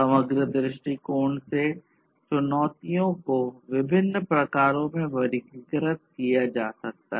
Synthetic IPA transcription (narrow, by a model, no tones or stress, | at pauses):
sɐməɡɾəd̪ɾɪʃʈikoːɳse | t͡ʃʊnɔːt̪ijõkoʋɪbʱɪnːpɾɐkaːɾõmẽʋɐɾikiɡɾət̪̚kijad͡ʒaːsɐk̚t̪aɦ